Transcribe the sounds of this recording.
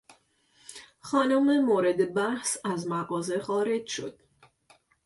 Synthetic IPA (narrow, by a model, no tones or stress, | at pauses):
xɒːnomemoːɾe̞d̪e̞bæhsæzmæɣɒːzexɒːɾe̞d͡ʒʃo̞̰d̪̥